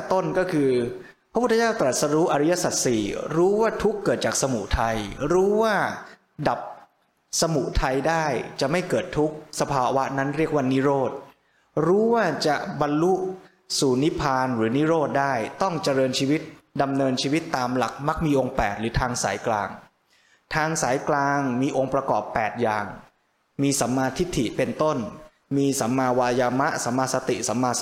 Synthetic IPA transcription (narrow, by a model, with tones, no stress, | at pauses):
t̪o˥˩nkɔː˥˩kʰɯː˧ppʰɾa˥pʰt̪ʰːt͡ɕaː˥˩wt̪ɾa˨˩t̪̚sa˧ɾuː˦˥ʔa˧ɾa˦˥ja˧˥sa˨˩t̪̚siː˨˩ɾuː˦˥waː˥˩t̪ʰu˦˥kːɤː˨˩t̪̚t͡ɕaː˨˩k̚sa˧mu˨˩ʔt̪ʰa˧jɾuː˦˥waː˥˩ | da˨˩p̚ | sa˧mu˨˩ʔt̪ʰa˧jdaː˥˩jt͡ɕa˨˩ma˥˩jkɤː˨˩t̪ʰːu˦˥k̚sa˧pʰaː˧wa˦˥na˦˥nɾi˥˩ək̚waː˥˩ni˦˥ɾoː˥˩t̪̚ | ɾuː˦˥waː˥˩t͡ɕa˨˩ba˧nlu˦˥ | suː˨˩ni˦˥pʰaː˧nɾɯː˩˦ni˦˥ɾoː˥˩t̪̚daː˥˩jt̪ɔ˥˩ŋt͡ɕa˨˩ɾɤː˧nt͡ɕʰiː˧wi˦˥t̪̚da˧mnɤː˧nt͡ɕʰiː˧wi˦˥t̪ːaː˧mla̰˨˩k̚ma˦˥k̚miː˧ʔo˧ŋpɛː˨˩t̪̚ɾɯː˩˦t̪ʰaː˧ŋsa̰ː˩˦jklaː˧ŋ | t̪ʰaː˧ŋsaː˩˦jklaː˧ŋmiː˧ʔo˧ŋpɾa˧kɔː˨˩pːɛː˨˩t̪̚jaː˨˩ŋ | miː˧sa˩˦mːaː˧t̪ʰi˦˥t̪ʰːi˨˩pe˧nt̪o˥˩n | miː˧sa˩˦mːaː˧waː˧jaː˧ma˦˥sa˩˦mːaː˧sa˧t̪ḭ˨˩ʔsa˩˦mːaː˧